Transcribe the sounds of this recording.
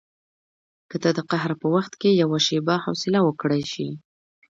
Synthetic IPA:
kəd̪ad̪əqaɦɾpəwaxt̪kejawaʃebahawsɪlawəkɽajʃi

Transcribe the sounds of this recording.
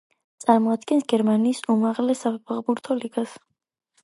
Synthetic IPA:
t̪sʼaɾmɔad̪ɡɛnsɡɛɾmaniːsumaʁlɛsapʰapʰaʁbuɾt̪ʰɔliɡas

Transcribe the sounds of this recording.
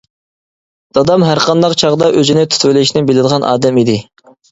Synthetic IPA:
d̪̥ɑd̪ɑmɦæɾqʰɑnd̪ɑqt͡ʃʰɑʁd̪ɑʔøzynɪt̪ʰy̥t̪ʰwelɪʃnɪbɪlɪd̪ɨʁɑnʔɑ̰ːd̪ɛmid̪ɪ

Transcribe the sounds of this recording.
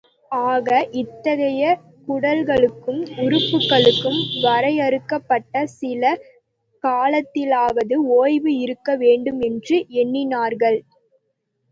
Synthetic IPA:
aːɣɐʔɪt̪ːɐɣɐjɐ | kʊɽɐlɣɐɭɯkːɯmʊɾɯpːɯkːɐɭɯkːɯmʋɐɾɐɪɐɾɯkːɐpːɐʈːɐsɪlɐ | kaːlɐt̪ːɪlaːʋɐðɯoːjʋɯɪɾɯkːɐʋeːɳɖɯmɛndrɯɛnːɪnaːɾɣɐɭ

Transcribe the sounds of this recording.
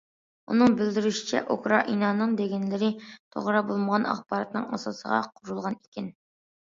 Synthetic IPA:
ṵnɨŋbɪld̪ɪɾyʃɪ̥t͡ʃʰɛ̰ʔokɾɑʔinɑnːɨŋd̪eɡʲɛnlɪɾɪt̪ʰo̰ʁɾɑbolˠməʁɑnɑ̰χpɑɾɑt̪nɨ̰ŋɑsɑsə̰ʁɑ̰qʰʊɾulˠʁɑnikʲɪn

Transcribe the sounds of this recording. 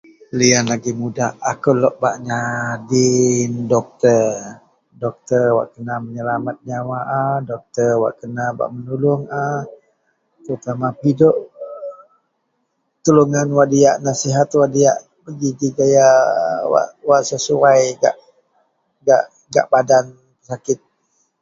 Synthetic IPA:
lianlaɡimudahakulɔʔba̰ʔɲadindɔk̚t̪ər | dɔk̚t̪ərwa̰ʔkənaməɲəlamat̪̚ɲawaʔadɔk̚t̪ərwa̰ʔkənaba̰ʔmənulʊŋa | t̪əɾut̪amapidɔʔ | t̪əluŋanwaʔdiaʔnasiɦat̪waʔdia̰ʔ | pəɡiɡiɡajawa̰ʔwaʔsəsuajɡa̰ʔ | ɡa̰ʔ | ɡa̰ʔbadan | pəsakɪt̪̚

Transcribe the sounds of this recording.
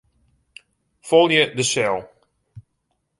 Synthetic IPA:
folˠjədəsɛlˠ

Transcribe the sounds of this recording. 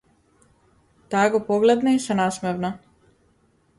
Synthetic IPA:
t̪aɡopoɡlɛd̪naisanasmɛvna

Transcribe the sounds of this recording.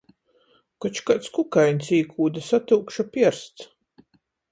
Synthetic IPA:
kɔt͡ʃkat̪skukajnʲsiːkʰuːd̪asat̪uːkʃapʲiɛɾst̪s

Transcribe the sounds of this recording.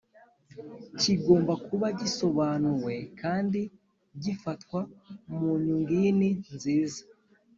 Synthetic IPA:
ciɡo̞ːmbakuβaɟiso̞βanuwe̞kaːndi | ɟifatkwamuɲuŋɡininziːzḁ

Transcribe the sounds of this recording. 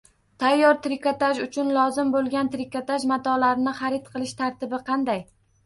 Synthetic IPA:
t̪ʰajːɒɾt̪ɾɪkat̪aʒʊt͡ʃʰʊnlˠɒzɪmbolˠɡʲant̪ɾɪkat̪aʒmat̪ʰɒlaɾɪnɪχɑɾɪt̪qʰɨlˠɪʃt̪ʰaɾt̪ʰɪbɪqʰɑnd̪aj

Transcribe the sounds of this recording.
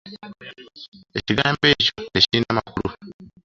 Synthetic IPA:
eciɡaːmbe̞ːco̞eciɾiːnamakulu

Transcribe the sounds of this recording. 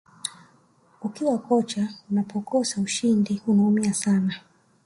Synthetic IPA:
ukiwakɔt͡ʃaunapʰɔkɔsauʃindihunaumiasana

